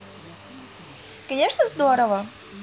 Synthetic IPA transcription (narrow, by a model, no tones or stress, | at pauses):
kɐnʲeʂnəzd̪oɾəvə